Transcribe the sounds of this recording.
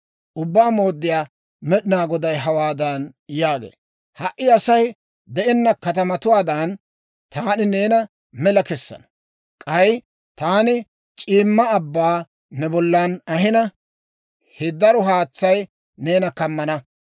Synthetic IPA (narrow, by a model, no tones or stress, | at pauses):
ʔʊbːaːmo̞ːd̪ːɪjaː | mɛɗɪnaːɡɔd̪ɐjɦɐwaːd̪ɐnjaːɡḛː | hɐʔːɪɐsɐj | d̪ɛʔɛnːɐkɐt̪ɐmɐt̪ʊwaːd̪ɐn | t̪aːnɪneːnɐ | mɛlɐkɛsːɐ̰nɐ | kʼɐj | t̪aːnɪ | t͡ʃʼiːmːɐːbːaː | nɛbɔlːɐnɐɦɪnɐ | hɪd̪ɐɾɔɦaːt͡sːɐj | ne̞ːnɐkɐmːɐnɐ